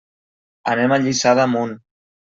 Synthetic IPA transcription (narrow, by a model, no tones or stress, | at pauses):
ənemaʎisaðəmun